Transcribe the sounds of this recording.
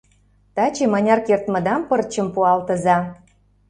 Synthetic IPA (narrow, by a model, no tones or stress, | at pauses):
t̪ɑt͡ɕemɑnʲɑrkert̪mɤ̆d̪ɑmpər̚t͡ɕə̆mpuɑlt̪ə̆zɑ